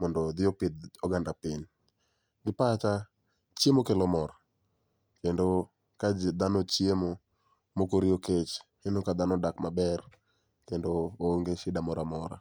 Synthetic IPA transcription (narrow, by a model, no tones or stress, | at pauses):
mɔndɔd̪ɪopɪd̪oɡandapɪɲ | ɡɪpat͡ʃa | t͡ʃjemokelɔmɔɾa | kendo | kad͡ʒd̪anɔt͡ʃjemo | mokoɾɪoket͡ʃhenokad̪anɔdakmabɛr | kendoːŋɡeʃɪdamɔɾamɔɾa̰